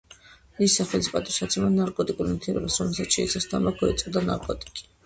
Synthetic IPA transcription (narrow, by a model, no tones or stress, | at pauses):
isːaχɛlisipʼat̪ʼisat̪sʰɛmanaɾkʼɔt̪ʼikʼuɾmt̪ʰɛɾṵbasɾɔmɛlˠsat̪sʃɛ̰ɛ̰t̪sʰast̪ʰammaɡ̚ɡɔɛt̪sʼd̪ana̰ɾkʼɔt̪ʼi̥kʼi̥